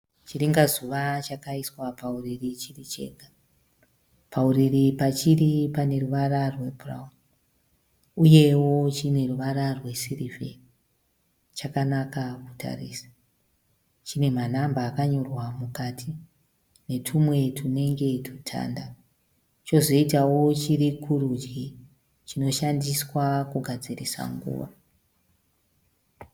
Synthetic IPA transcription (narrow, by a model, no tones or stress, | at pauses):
t͡ʃiɾiŋɡazuʋat͡ʃakaiswapauririt͡ʃirit͡ʃe̞̰ːkḁ | pʰauriripat͡ʃiɾipane̞ruʋaɾarwe̞bʱura̰um | uje̞wo̞t͡ʃine̞ruʋaɾarwe̞sirivḛni | t͡ʃakanakaku̥tʰa̰rḭːsḁ | t͡ʃine̞manambaːkaɲo̞rwamukatʰi | ne̞tʰumwe̞tʰune̞ŋɡe̞tʰu̥tʰa̰nda | t͡ʃo̞zo̞itawo̞t͡ʃiɾikʰuɾud͡ʒɡi | t͡ʃino̞ʃandiswakuɡʱad͡zirisa̰ŋɡṵːʋa̰